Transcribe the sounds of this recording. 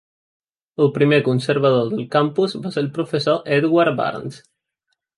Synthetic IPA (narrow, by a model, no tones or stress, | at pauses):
əlˠpɾimekunsəɾβəðoðəlˠkampuzβaselpɾufəsoʔɛd̪waɾba̰ɾns